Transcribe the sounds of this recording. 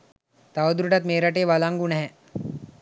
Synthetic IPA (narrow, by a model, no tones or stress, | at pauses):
t̪aʋəd̪ɾuʈat̪meːɾaʈeːʋalaŋɡunɛɦɛ